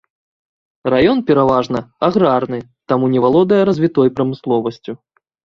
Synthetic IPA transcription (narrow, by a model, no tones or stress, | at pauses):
rajɔnpʲɛɾavaʐnɐaɣɾarnɨ | t̪amunʲɛvalˠɔd̪ɐjɐɾɐzʲvʲit̪ɔjpɾɐmɨslˠɔvɐsʲt͡sʲu